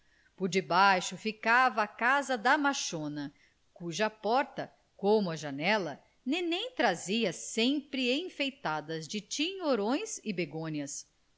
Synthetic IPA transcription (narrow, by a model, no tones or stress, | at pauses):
pʊɾd͡ʒɪbajʃʊfikavɐːkazɐd̪ɐmaʃõnɐ | kuʒɐpɔɾt̪ɐ | kõmʊɐʒanɛlɐ | nẽnẽj̃t̪ɾaziɐsẽmpɾɪẽj̃fejt̪ad̪ɐzd͡ʒɪt͡ʃiɲoɾõj̃sɪbeɡõɲɐs